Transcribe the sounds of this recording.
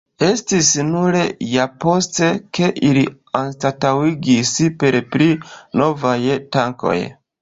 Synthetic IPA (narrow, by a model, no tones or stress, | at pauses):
e̞stisnuɾe̞japo̞ste̞ke̞ʔili | anstatawiɡispe̞ɾpɾino̞vajtaŋko̞̰j